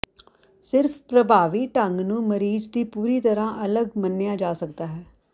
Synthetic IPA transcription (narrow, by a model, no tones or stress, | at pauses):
sɪɾfʰpɾəbʱaːʋiːʈəŋɡnũːməɾiːd͡ʒd̪iːpuːɾiːt̪əɾãːʔələɡmənːɪjãːd͡ʒaːsək̚d̪aːɦɛː